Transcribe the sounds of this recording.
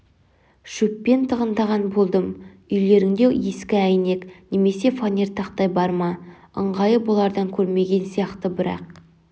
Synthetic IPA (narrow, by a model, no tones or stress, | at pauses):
ʃɵpːe̞nt̪ʰəʁənd̪ɑʁɑnbo̞lˠd̪əm | ʏjle̞ɾɪŋd̪e̞e̞skʲɪæjne̞kne̞me̞se̞fanʲert̪ɑqt̪ɑjbɑɾmɑ | ə̰ɴʁɑjəwolˠɑɾd̪ɑŋkʲʰɵɾme̞ɡʲe̞nsijɑqt̪əbɪɾɑ̰q̚